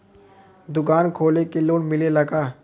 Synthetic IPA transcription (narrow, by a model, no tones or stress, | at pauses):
d̪ʊkaːnkʰoːlekeloːnmɪlelɐɡaː